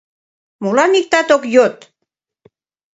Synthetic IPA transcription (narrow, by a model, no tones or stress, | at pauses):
molɑmik̚t̪ɑt̪okjot̪